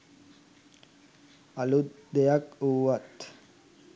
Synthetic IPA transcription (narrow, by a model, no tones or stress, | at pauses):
alut̪d̪ejakuːʋat̪